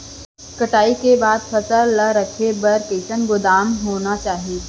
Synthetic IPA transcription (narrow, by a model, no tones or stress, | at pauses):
kɐʈaːikebaːd̪pʰəsəlːɐɾəkʰebɐɾkeːʃənɡʊd̪aːmɦoːnat͡ʃaːɦie